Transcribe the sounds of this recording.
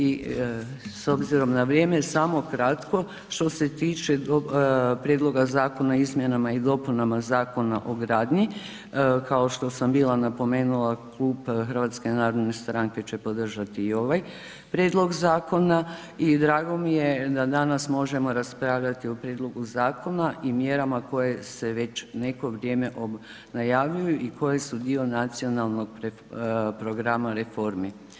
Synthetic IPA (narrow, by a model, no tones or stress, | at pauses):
i | so̞bziɾo̞mnaʋɾje̞ːmesamo̞kɾat̪ko̞ | ʃt̪o̞se̞t̪iːt͡ʃeopɾjeːd̪lˠo̞ɡazaːko̞naizmjenamaid̪o̞punamazaːko̞naʔo̞ɡɾaːd̪ɲi | kaoʃt̪o̞sambiːlˠanapo̞me̞ːnulˠaklˠuːbxər̩ʋat̪ske̞naːɾo̞d̪ne̞st̪ɾaŋke̞t͡ɕe̞po̞d̪r̩ʒat̪iːo̞ʋaj | pɾʲjed̪lˠo̞ɡzaːko̞na | id̪ɾaːɡo̞mije̞d̪ad̪anasmo̞ʒe̞mo̞ɾaspɾaːʋʎat̪iopɾʲje̞ːd̪lˠo̞ɡuzaːko̞naʔimjeɾamako̞je̞se̞ʋe̞t͡ɕne̞ko̞ʋɾje̞ːme̞ʔo | najaːʋʎujuʔikʰo̞jesud̪io̞nat̪sio̞nalˠno̞ɡ̚pɾe | pɾo̞ɡɾamaɾe̞fo̞ɾmi